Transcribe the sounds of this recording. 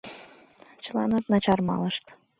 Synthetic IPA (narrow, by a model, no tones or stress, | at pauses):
t͡ɕlˠɑnɑt̪nɑt͡ɕɑrmɑ̰lˠɤʃt̪